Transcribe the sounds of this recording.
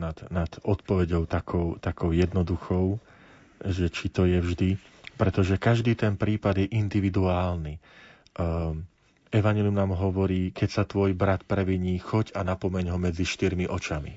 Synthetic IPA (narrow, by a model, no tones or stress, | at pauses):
nad̪nad̪̥ɔt̪pɔʋɛɟɔʊt̪akʰɔʊt̪akɔʊjɛd̪nɔd̪uxɔʊ | ʒɛt͡ʃit̪ɔjɛvʒd̪i | pɾɛt̪ɔʒɛkaʒd̪iːt̪ɛnpɾiːpad̪jɛʔind̪iʋid̪uaːlni | ɛʋaɲɛliumnaːmɦɔʋɔɾiːkɛcsat̪ʋɔjbɾat̪pɾɛʋiɲiːxɔɟanapɔmɛɲɦɔmɛd͡ziʃt̪iɾmiʔɔt͡ʃamḭ